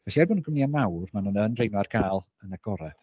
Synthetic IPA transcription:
vɛsiɛrbɔnənɡəmniamawrmanuːnənrejnwarɡʰaːlˠ | ənaɡ̥ɔɾɛ̥

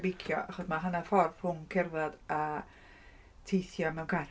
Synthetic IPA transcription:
bɪkʰjɔ̰ʔaχɔdmaɦənafɔrv̥hʊmkʰɛrvada | tʰejθjɔmɛwnkʰa

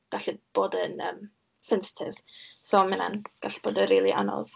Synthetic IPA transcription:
ɡ̥aɬib̥oːdənəːm | sɛnsɪ̥tʰɪvsɔmɪna̰nɡ̥aɬb̥oːdənriːlˠiʔanɔ̰ð

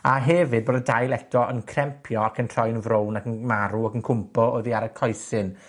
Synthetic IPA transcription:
aɦɛvɨd̚boːdədajlˠɛtʰɔʔənkʰrɛmpʰjɔakʰəntʰrɔjnvrownakənmaɾuakənkʰʊmpʰɔoːðiaɾəkʰɔjsɨn

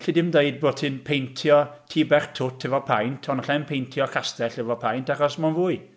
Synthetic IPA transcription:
ɬidɪmdeɨd̚boːdtʰɨnpʰejntʰjɔtʰiːbɛrtʰʊtʰɛvɔpʰajntʰɔnɔɬɛnpʰejntʰjɔkʰastɛɬɛvɔpʰajntʰaχɔsmanvuːɨ

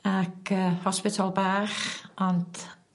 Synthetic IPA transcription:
akəhɔspɪtʰalˠbaːχʔɔnt

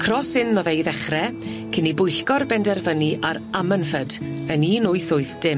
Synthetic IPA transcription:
kʰrɔsɪnːɔvejðɛχrɛ | kʰɪnibʊjɬkɔrbɛndɛrvəniʔaɾamənfəd | əniːnʊɨθʊɨθd̥ɪm

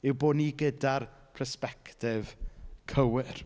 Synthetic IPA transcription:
ɪwboːdniɡədarpʰrəspɛktɪv̥kʰəwɪr

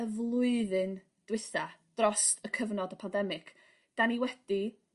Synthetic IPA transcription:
əvlˠʊɨðɨn | d̥wɪθad̥rɔstʰəkʰəvnɔdəpʰandɛmɪɡ̥ | d̥aniwɛd̥i

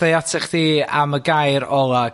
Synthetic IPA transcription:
ejatʰɛχðiːa̰məɡajɾɔlˠa

